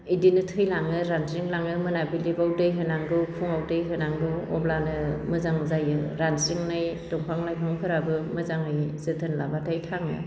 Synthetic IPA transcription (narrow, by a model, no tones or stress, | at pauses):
idinɯtʰɯjlaŋɯɾanziŋlaŋɯmɯnabilibawdɯjɦɯnaŋɡɯwkʰuŋawdɯjɦɯnaŋɡɯwɔblanɯmɯzaŋzajɯɾansiŋnajdɔŋpʰaŋlajpʰaŋpʰɯɾabɯmɯzaŋɯjzɯtʰɯnlabatʰajtʰaŋɯ̰